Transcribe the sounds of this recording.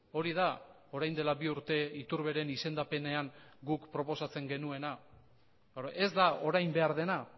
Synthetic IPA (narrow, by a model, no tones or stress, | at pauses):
o̞ɾið̞a | o̞ɾajnd̪e̞labiuɾt̪e̞it̪uɾβe̞ɾe̞nise̞nd̪ape̞ne̞aŋɡukpɾo̞po̞sat͡se̞ŋɡe̞nue̞na | e̞zd̪ao̞ɾajmbe̞aɾðe̞na